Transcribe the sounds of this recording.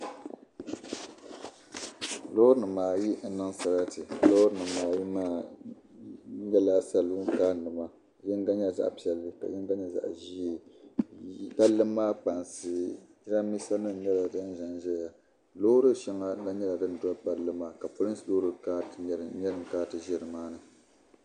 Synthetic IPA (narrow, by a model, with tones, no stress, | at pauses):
lo˦ɾɨ˦nɨ˨maː˨ji˦n̩˦nɨ˦ŋsa˨ɾa˦tɨ˨lo˦ɾɨ˦nɨ˨maː˨ji˦ma˦˨˦ | ɲɛ˦la˨sa˦lɨ˦ŋ̩˦kaː˦˨nɨ˨ma˦˨ | jɛ˦n˦ɡa˦ɲa˦za̰˦ʔpi˦˨ɛ˨lːɨ˦ka̰˨jɛ˦n˦ɡa˦ɲa˦za̰˨ʔʒi˦˨ | ka˦lːɨ˦mː˦aː˦k͡pa˨nsɨ˨ji˦ɾa˦mi˦sa˦nɨ˦˨nɛ˦la˨dɨ˦n˦ʒa˦nʒɛ˦˨ja˨ | lo˦ɾɨ˦ʃɛ˦ŋa˦a˦ɲɛ˦la˨dɨ˦n˨da˦k͡pa˨lːɨ˦ma˨ka˨po˦lɨ˦sloː˦ɾɨ˦ka˦˨˦ɲɛ˦ɾɨ˨ŋ˨kaː˦tɨ˨ʒɛ˦ɾɨ˨maː˦nɨ˨